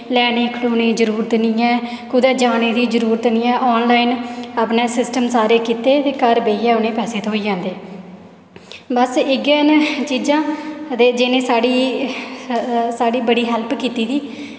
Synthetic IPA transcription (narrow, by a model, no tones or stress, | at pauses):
lɛːniːkʰloːnĩːd͡ʒəɾuːɾt̪nĩːɛː | kʊd̪ɛːd͡ʒaːneːd̪iːd͡ʒəɾuːɾət̪nĩːɛːʔɔːnlaːinaːpneːsɪsʈəmsaːɾeːkiːt̪eːt̪eːkəɾbeːiɛːʊnẽːpɛːseːt̪ːɦoːiːd͡ʒãːnd̪eː | bəsɪɡeːnt͡ʃiːd͡ʒãːd̪eːd͡ʒɪnẽːsaːɽiː | saːɽiːbəɽiːɦɛlpkiːt̪iːd̪iː